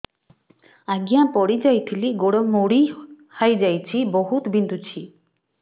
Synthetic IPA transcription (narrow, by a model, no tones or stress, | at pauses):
aɡijãpɔɽid͡ʒajt̪ʰiliɡoɽɔmoɽi | hajd͡ʒajt͡ʃʰibɔɦut̪bʱind̪ʱut͡ʃʰi